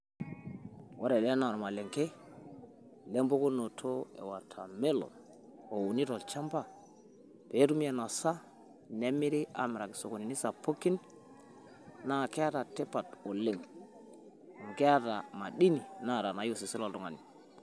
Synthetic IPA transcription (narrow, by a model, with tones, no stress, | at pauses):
wa˦ɾe˨le˦na˨ɾo˨ma˨le˨ŋke˦ | le˦mbo˦ko˦no˨tʰo˦ḛ˨wa˨tʰa˨me˦lo̰˨ | o˨wu˨ni˦to˨lt͡ʃa˦mba˨ | pe˨˦tu˦mi˦e˨na˨sa˦ | ne˦mi˦ɾi˦a̰˨m˨ɾa˨ki˨so˨ko˨ni˨ni˦sa˨pʰo˦kːi˦n | na˦˨ke˦ja˦ta˨te˦pa˨to˨le˨ŋ˨ | ŋɡe˦ja˦ta˨ma˨ɗi˦ni˨na˦˨ɾa˨na˨jo˦si˨si˦lo˦ldu˨ŋa̰˨ni˨